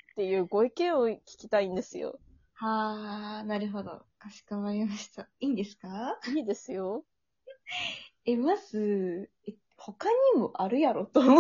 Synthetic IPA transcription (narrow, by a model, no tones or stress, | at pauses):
t̪ːe̞jɯ̟ːɡo̞ikẽ̞ɰ̃okʲi̥kʲi̥t̪aĩnd̪e̞sɨjo̞̰ | haːnaɾɯ̟ɦo̞d̪o̞̰ | kaɕi̥kamaɾʲimaɕi̥t̪aiːnd̪e̞sɨ̥kaiːd̪e̞sɨjo̞ | e̞maz̥ɨ | e | ho̞kaɲ̟imo̞ʔaɾɯ̟jaɾo̞t̪o